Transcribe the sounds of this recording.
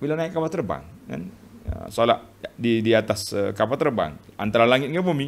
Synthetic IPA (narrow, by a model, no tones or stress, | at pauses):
bilanaikːapat̪ərba̰ŋka̰n | ə̰solaʔdidiat̪asəkapat̪ːərba̰ŋa̰nt̪aɾalaŋɪt̪ŋɡabomi